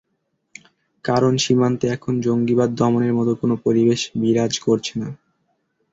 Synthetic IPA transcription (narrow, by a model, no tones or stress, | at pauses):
kaɾonʃimant̪eɛkʰond͡ʑoŋɡibad̪ːɔmoneɾmɔt̪okonopoɾibeʃbiɾad͡ʑkoɾt͡ɕʰena